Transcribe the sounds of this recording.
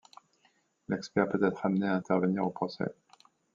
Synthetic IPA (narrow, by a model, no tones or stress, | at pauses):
lɛkspɛʁpøt̪ɛt̪χamneaɛ̃t̪ɛʁvəniʁopχɔsɛ̰